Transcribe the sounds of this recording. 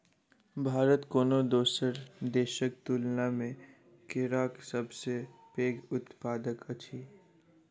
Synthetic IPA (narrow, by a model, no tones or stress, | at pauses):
bʱaːɾət̪koːnod̪oːsəɾd̪eːʃək̚t̪uːlnamẽ | kɪɾaːksəbsepeːɡʊt̪paːd̪əkət͡ʃʰiː